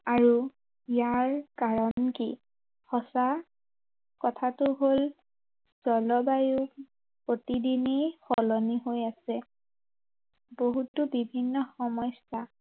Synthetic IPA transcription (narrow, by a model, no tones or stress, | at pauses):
aɹu | ijaɹkaɹɔnki | xɔsa | kɔtʰatʊɦol | z̥ɔlɔbaju | pɹotidinixɔlɔniɦojasɛ | boɦutʊbibʱinːɔxɔmɔjsa